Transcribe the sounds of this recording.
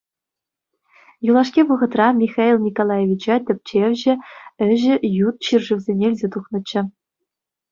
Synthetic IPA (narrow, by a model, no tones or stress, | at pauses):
julˠɑʂkʲiʋɤ̆ʁɤ̆t̪rɑmʲixɑilʲˠnʲikolˠɑjevʲit͡ɕɑtʲɘ̆p̚ʲt͡ɕeʋʲʑɘ̆ɘ̆ʑɘ̆jut̪̚ɕirʐɯʋʲzʲenʲĕːlʲzʲet̪uχnɤ̆t͡ɕːɘ̆